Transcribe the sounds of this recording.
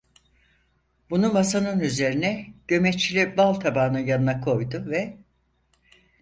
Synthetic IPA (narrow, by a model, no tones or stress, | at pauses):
bunumasanɯnyze̞ɾinɛɟ̥ø̞mɛt͡ʃʰːilʲibalˠt̪ʰabaːnɯjanɯnakʰo̞jd̪ʊvɛ